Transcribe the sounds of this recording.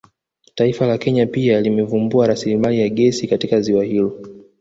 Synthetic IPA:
taifalakɛɲapialimɛvumbuaɾasilimalijaɠɛsikatikaziwahilɔ

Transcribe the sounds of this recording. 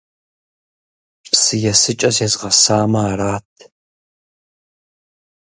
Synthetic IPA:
psɨjɛsɨt͡ʃʼɐsjɛzʁɐsaːmɐːraːtʰ

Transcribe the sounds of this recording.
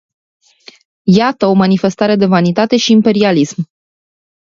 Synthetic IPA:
jat̪əo̞manife̞st̪aɾe̞d̪e̞vanit̪at̪e̞ʃiːmpe̞ɾialism

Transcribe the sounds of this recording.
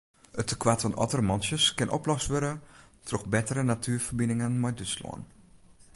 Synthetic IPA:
ətʰəkwatfɔnʔɔ̰tərəmɔnsjəskɪnʔo̰plɔstʋøɾə | tʰrɔxbɛtəɾənatʰyːfərbinɪŋənmɔjdøslɔ̰ən

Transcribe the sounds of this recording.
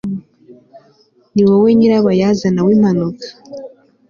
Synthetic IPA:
niwoweːɲiɾaβajazanawiːm̥anukḁ

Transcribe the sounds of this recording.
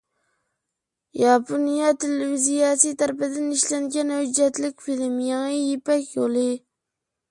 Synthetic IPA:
jɑponijɑt̪ʰelevizijɑsit̪ʰæɾpɪd̪ɪniʃlɛŋɡʲɛnhød͡ʒɛt̪lɪkʲfilɪmjɑŋɨjipɛkʲjolˠɨ

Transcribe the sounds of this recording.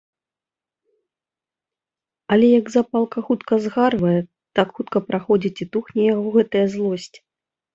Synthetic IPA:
ɐlʲɛjɐɡzapalˠkɐxut̪kɐzɣarvɐjɛ | t̪akxut̪kɐpɾʔaxɔd͡zʲit͡sʲit̪uxnʲɛjaɣɔɣɛt̪ɐjɐzlˠɔsʲt͡sʲi̥

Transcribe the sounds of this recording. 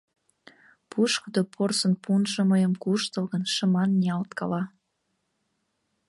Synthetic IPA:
pʰuʃkəd̪opʰorsənpʰunʒə̆məjəmkuʃt̪əlɣənʃə̆mɑnːiɑlt̪kɑlɑ

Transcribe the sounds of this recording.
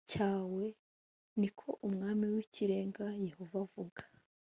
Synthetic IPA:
caːwe̞ | nikʰo̞ʔumŋaːmiwiciɾe̞ːŋɡaje̞ho̞vavuɡḁ

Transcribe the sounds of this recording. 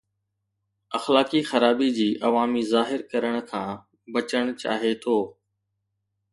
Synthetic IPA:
ɐxlaːkixɐɾaːbid͡ʑiːʔɐʋaːmizaːɦɪɾkɐɾəɽ̃kʰãː | bɐt͡ɕəɽ̃t͡ɕa̰ːɦet̪ʰoː

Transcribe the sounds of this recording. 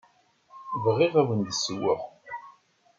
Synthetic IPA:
vʁiʁæwənd̪əsːəwːəʁ

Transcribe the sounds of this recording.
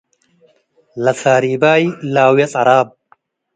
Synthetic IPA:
lɐsaːɾiːbaːilaːwjɐt͡sʼɐɾaːb̚

